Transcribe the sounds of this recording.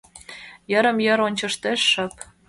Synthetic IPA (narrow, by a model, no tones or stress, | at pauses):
jɤ̆ɾə̆mjɤ̆ɾonʲt͡ɕɤ̆ʃt̪eʃːɤ̆p